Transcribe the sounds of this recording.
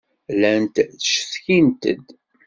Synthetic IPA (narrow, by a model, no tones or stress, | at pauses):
lænt̪θəʃθçint̪ə̰d̪